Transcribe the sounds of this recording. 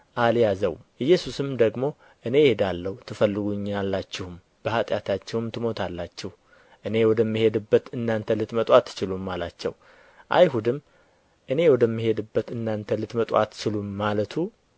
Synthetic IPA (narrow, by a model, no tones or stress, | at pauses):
ʔaljazəwʔɨjːɛsusɨmd̪əɡmo̞ | ʔɨne̞jhed̪alːəht̪ʰɨfəlːɨɡuɲːalːat͡ʃːɪhʊm | b̥əhat̪ʼjat̪ʰat͡ʃːɛwmt̪ʰɨmo̞t̪ʰalːat͡ʃːɛh | ʔɨne̞wɔd̪əmːihe̞d̪ɨbːət̪ɨnːant̪ʰəlɨt̪mət̪ʼwat̪ːɨ̥t͡ʃɪlumːalat͡ʃːɛ̰w | ʔa̰jhud̪ɨm | ʔɨne̞wɔd̪əmːihe̞d̪ɨbːət̪ɨnːant̪ʰəlɨt̪mət̪ʼwa̰t̪ːt͡ʃʰɪlumːalət̪ʰu